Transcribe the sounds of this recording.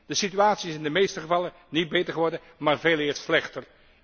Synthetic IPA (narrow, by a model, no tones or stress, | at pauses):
d̥əsityaːtsiɪsɪndəmejstəχəvɑlˠə | nid̚bejtəɹχəʋɔɹdən | maːɹveːlˠɪːɹslɛχtər